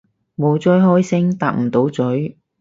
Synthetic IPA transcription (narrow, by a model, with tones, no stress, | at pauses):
mo˨˧wt͡sɔː˥jɦɔː˥jsɪ˥ŋt̪aː˧k̚m̩˨˩t̪o˨˥wt͡sɵ˨˥j